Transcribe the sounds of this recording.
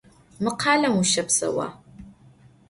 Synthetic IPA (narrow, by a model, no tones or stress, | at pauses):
mɨqʰɑːlɐmuʃɐpsɐ̰wa̰ː